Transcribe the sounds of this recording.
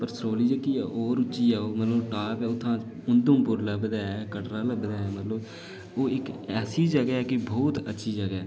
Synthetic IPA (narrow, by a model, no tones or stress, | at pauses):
pəɾsɾoːliːd͡ʒəɡiːɛːʔoːɾʊt͡ʃt͡ʃːiːɛːoːmət̪ləbʈaːpɛːʊt̪ʰːãː | ʊnd̪õːpʊɾlaːbəd̪aːɛːkəʈɾaːləbəd̪aːɛːmət̪ləb | oːɪkɛːsiːd͡ʒəɡɛːkɪbɔːt̪ətːʃʰiːd͡ʒəɡɛː